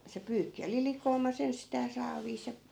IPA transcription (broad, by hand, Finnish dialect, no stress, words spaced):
se pyːkːi oli likoːmɑs enstæː sɑːʋiːs jɑ